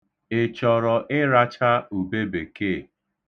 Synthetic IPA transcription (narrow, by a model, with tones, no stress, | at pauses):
ɪ˨t͡ʃɔ˨ɾɔ˨ʔɪ˦ɾa˦t͡ʃa˦u˨be˦be˨ke˦˨